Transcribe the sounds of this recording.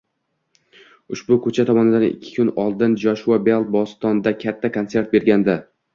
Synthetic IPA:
ʊʃbʊkʰɵt͡ʃʰat̪ʰɒmɒnɪd̪anɪ̰kʲʰːɪ̥kʰʊnɒlˠd̪ɪnd͡ʒɒʃuabelˠt̪̚bɒst̪ɒnd̪akʲʰat̪ʰːakʰonse̞ɾt̪̚be̞ɾɡʲand̪a

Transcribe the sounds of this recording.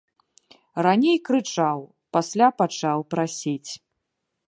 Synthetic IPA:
ranʲejkɾɨt͡ʂaw | pasʲlʲapat͡ʂawpɾasʲit͡sʲ

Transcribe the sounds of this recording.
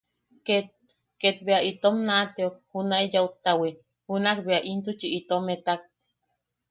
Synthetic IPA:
ket̪̚ | ket̪̚beait̪omnat̪eok̚hunaijaut̪awe | hunakbeaʔint̪ut͡ʃiʔit̪omet̪ak̚

